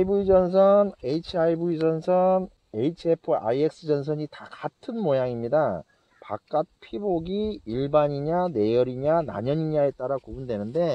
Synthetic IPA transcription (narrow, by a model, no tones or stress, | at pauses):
ibuid͡ʑʌnsʰʌne̞it͡ɕʰiaibuid͡ʑʌnsʰʌn | e̞it͡ɕʰiepʰɯa̰ie̞k̚s͈ɯd͡ʑʌns̬ʰʌɲitakatʰɯnmojaŋimɲida | pa̰k̚k͈at̚pʰiboɡiiɭbaɲiɲane̞jʌɾiɲana̰ɲʌɲiɲae̞t͈aɾakubundwe̞nɯnde̞